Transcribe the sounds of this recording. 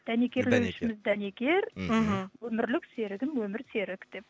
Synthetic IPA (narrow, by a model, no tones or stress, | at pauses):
d̪̥ænekʲe̞ɾlewʃɪmɪzd̪ænekʲe̞ɾ̩ | wɵmɪɾlɪkse̞ɾɪɡʲɪmwɵmɪɾse̞ɾɪkd̪̥e̞p̚